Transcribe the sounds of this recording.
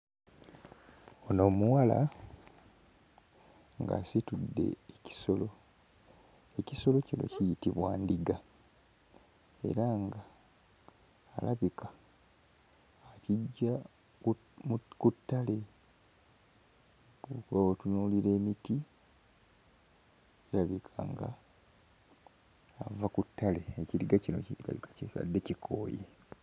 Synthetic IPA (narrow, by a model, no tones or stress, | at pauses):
ono̞ːmuwala̰ | ŋɡa̰situdːe̞̰ːci̥so̞lo̞ | e̞ciso̞lo̞cino̞̰cijitiβwa̰ːndiɡa | e̞̰ɾaŋɡa | laβikḁ | ciɟːa | mkutːale̞ | okuβaotunuːliɾe̞ːmiti | ilaβikʰa̰ŋɡa̰ | vakutːale̞ːciɾiɡacino̞̰cila̰βikḁcia̰dːe̞cikʰo̞̰ːjḛ